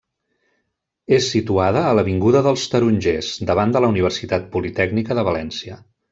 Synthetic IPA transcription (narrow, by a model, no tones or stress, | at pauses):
esːit̪uaðəːləβiŋɡuðəðəlˠst̪əɾuɲʒez̥d̪əβ̞and̪ələuniβ̞ərsit̪at̪̚pulit̪ɛɡnikəðəβəlɛnsiə